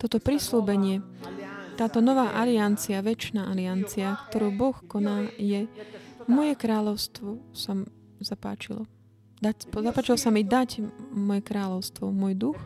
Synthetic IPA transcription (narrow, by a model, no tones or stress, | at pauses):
t̪ɔt̪ɔpɾisluːbɛɲɪɛ | t̪aːt̪ɔnɔʋaːʔaliant͡siaʋɛt͡ʃnaːʔaliant͡siakt̪ɔɾuːbɔxkɔnaːjɛmɔjɛkɾaːʎɔʊst̪ʋɔsam | zapa̰ːt͡ʃilɔ̰ | d̪apzapaːt͡ʃilɔsamid̪acmɔjɛkɾaːʎɔʊst̪ʋɔmʊɔjd̪ux